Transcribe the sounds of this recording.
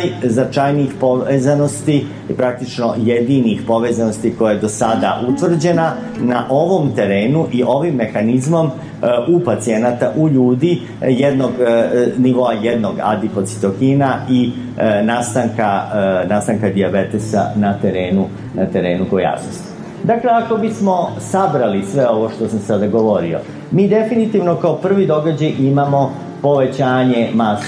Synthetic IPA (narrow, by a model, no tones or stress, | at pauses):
jznat͡ʃajniixpo̞ezano̞st̪i | pɾak̚t̪it͡ʃno̞jed̪inixpo̞ʋezano̞st̪iko̞jajed̪o̞sad̪aʔut̪ʋr̩d͡ʑe̞na | naʔo̞ʋo̞mt̪e̞ɾe̞ːnuʔiʔo̞ʋimːe̞xanizmo̞m | upat̪sie̞nat̪aʔuʎuːd̪i | jed̪no̞ɡniʋo̞aje̞d̪no̞ɡa̰d̪ipo̞t̪si̥t̪o̞kinai | naːst̪aŋkanast̪aŋkad̪iabe̞t̪esa̰nat̪e̞ɾe̞ːnu | nat̪e̞ɾe̞ːnukoja̰snost̪i̥ | d̪akle̞ako̞bismo̞sabɾalisʋe̞o̞ʋo̞ʃt̪o̞samsad̪aɡo̞ʋo̞ɾio̞̰ | miːd̪e̞finit̪iʋno̞kaopr̩ʋid̪o̞ɡad͡ʑajʔimamo̞ | po̞ʋe̞t͡ɕaːɲe̞mas